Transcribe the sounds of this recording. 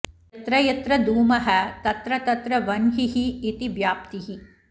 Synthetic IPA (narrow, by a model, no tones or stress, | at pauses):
jɐt̪ɾɐjɐt̪ɾɐd̪uːmɐɦɐ̆t̪ɐt̪ɾɐt̪ɐt̪ɾɐʋɐnɦiɦiːt̪iʋjaːp̚t̪iɦi